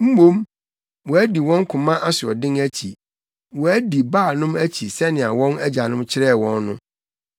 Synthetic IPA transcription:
m̩˦mõ˦m | wɔ˨æ˦di˨wɔ̃˦ŋ˦kʰʊ̃˨mã˦ʔa˦sʊ˨ɔ̰˨dɪ̃˦ŋæ˦t͡ɕʰi˨ | wɔ˨æ˦di˨baː˦˨nʊ̃˦mæ˦t͡ɕʰi˨sɛ˦nɪ̃˨a˨wɔ̃˦næ˦d͡ʑa˨nʊ̃˦mt͡ɕʰɪ˦ɾɛ˦˨wɔ̃˦nːʊ̰̃˦

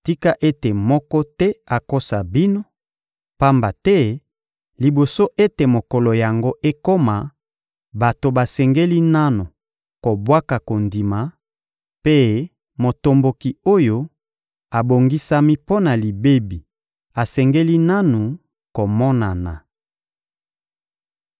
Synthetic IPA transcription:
ti˦ka˦ʔe˦te˨mɔ˦kɔ˦tɛ˦a˨ko˦sa˨bi˦no˦ | pa˦mba˨tɛ˦ | li˨bo˨so˦ʔe˦te˨mo˨kɔ˨lo˨ja˨ŋɡo˦ʔe˦ko˦ma˨ | ba˨to˨ba˨sɛ˨ŋɡe˦li˦na˦nu˨ | ko˨bwa˦ka˨ko˨ndi˨ma˨ | pe˦ | mo˨to˨mbo˨ki˨o˦jo˦ | a˨bo˨ŋɡi˦sa˦mi˦po˦na˨li˨be˦bi˨ | a˨sɛ˨ŋɡe˦li˦na˦nu˨ | ko˨mɔ˦na˨na˨

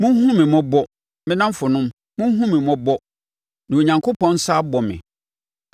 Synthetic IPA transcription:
mʊ̃˦n˦hũ˦mɪ̃˨mɔ̃˦bɔ˦ | mɪ̃˦nã˦m˦fʊ˨nʊ̃˦m | mʊ̃˦ɦũ˦mɪ̃˨mɔ̃˦bɔ˦ | nã˨o˨ɲã˨ŋkʰo˦pʰɔ̃˦n̩˦sa˦bɔ˨mɪ̰̃˨

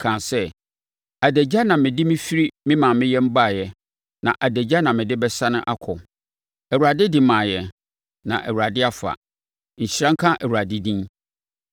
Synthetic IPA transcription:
kʰã˨sɛ˦ | a˨dæ˨d͡ʑa˦nã˨mɪ̃˨dɪ˦mɪ̃˦fi˦ɾi˦mɪ̃˦mã˨mɪ̃˦jɛ˦m̩˦ba˦˨jɛ˨ | nã˨ʔa˨dæ˨d͡ʑa˦nã˨mɪ̃˨dɪ˦bɛ˦sa˦nʊ̃˦ʔa˦kʰɔ˨ | ɛ˨wu˨ɾa˨dɪ˦dɪ̃˨mãː˨jɛ˨ | nã̰˨ʔɛ̰˨wu˨ɾa˨dɪ˦a˦fa̰˨ | ɲ̩˨ɕɾã˦ŋ̩˦kʰã˦ʔɛ˨wu˨a˨dɪ˦dĩ˦

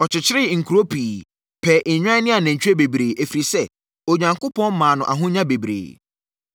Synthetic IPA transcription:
ɔ˨t͡ɕʰɪ˨t͡ɕʰɪ˦ɾɪ˦ŋ̩˨kʰu˨ɾo˦pʰiː˨ | pʰɛː˨ʔe˨ɲᶣ˦ã˦nɪ̃˦a˨nã˨ɲ̩˨t͡ɕᶣɾe˦be˨bɾeː˨ʔe˨fi˨ɾi˨sɛ˦ | o˨ɲã˨ŋko˦pʰɔ̃˦n˦mãː˨nʊ̃˨ʔa˨ɦʊ̃˦ɲã˦be˨bɾḛː˨

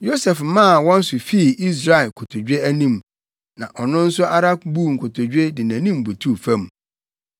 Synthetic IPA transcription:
jo˦sɛ˨fmã˦˨wɔ̃˦n̩˦sʊ˨fi˦˨i˦s̬ɾa˨ɪ˨lkʰo˨tʰo˨d͡ʑᶣe˦æ˦nĩ˦˨m | nã˨ʔɔ˨nʊ̃˦n̩˦sʊ˦ʔa˦ɾa˦kbu˦˨ŋ̩˨kʰʊ˨tʰo˨d͡ʑᶣe˦dɪ˨næ̃˨nĩ˦mbu˨tʰu˦˨fæ̃˦m

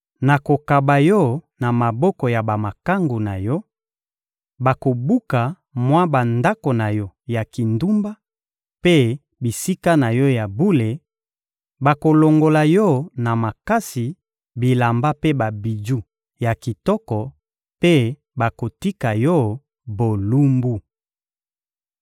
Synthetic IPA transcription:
na˨ko˨ka˨ba˨jɔ˦na˨ma˨bɔ˦kɔ˨ja˨ba˨ma˨ka˦ŋɡo˨na˨jɔ˦ | ba˨ko˨bu˦ka˨ | mwa˦ba˨nda˦ko˨na˨jɔ˦ja˨ki˨ndu˦mba˦ | pe˦ | bi˨si˦ka˦na˨jɔ˦ja˨bu˦le˨ | ba˨ko˨lo˨ŋɡo˨la˨jɔ˦na˨ma˨ka˦si˨ | bi˨la˨mba˦pe˦ba˨bi˨d͡ʒu˦ | ja˨ki˨tɔ˦kɔ˨ | pe˦ | ba˨ko˨ti˦ka˨jɔ˦ | bo˨lu˦mbu˦

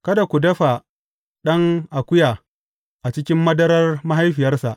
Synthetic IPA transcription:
kɐ˦da˨kʷu˨dɐ˦ɸa˨ | ɗɐ˦ŋʔa˨kʷʊ˦jaː˨ | ʔa˨t͡ʃɪ˦kʲɪ˦mːɐ˦dɐ˦ɾɐ˦rma˦ɦa˦jɸɪ˨jɐ˦rsa˨ʔ

